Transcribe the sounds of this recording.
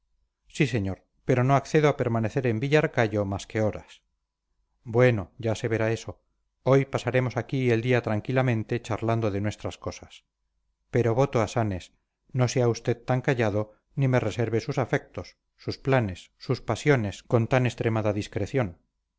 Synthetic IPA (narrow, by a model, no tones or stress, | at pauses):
sise̞ɲoɾ | pe̞ɾo̞no̞akθe̞ð̞oape̞ɾmaneθe̞ɾe̞mbiʎaɾkaʝo̞maske̞oɾas | bwe̞no̞ɟ͡ʝase̞βe̞ɾae̞so̞ | o̞jpasaɾe̞mo̞sakie̞ld̪iat̪ɾaŋkilamẽ̞nt̪e̞t͡ʃaɾland̪oðenwe̞st̪ɾasko̞sas | pe̞ɾo̞βo̞t̪oasane̞s | no̞seaust̪e̞ðt̪aŋkaʝaðo̞ | nime̞re̞se̞ɾβe̞susafe̞k̚t̪osː | usplane̞sːuspasjo̞ne̞sko̞nt̪ane̞st̪ɾe̞maðaðiskɾeθjo̞n